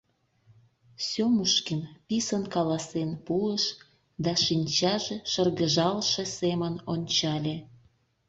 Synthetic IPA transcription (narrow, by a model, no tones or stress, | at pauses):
sʲomuʃkinpisənkɑlɑsenpuəʃ | d̪ɑʃinʲt͡ɕɑʒeʃərɣəʒɑlʃesemənonʲt͡ɕɑlʲe